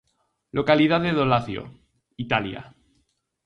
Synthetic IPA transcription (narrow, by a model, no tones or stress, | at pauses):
lokaliðaðeðolaθjo̰ | it̪alja̰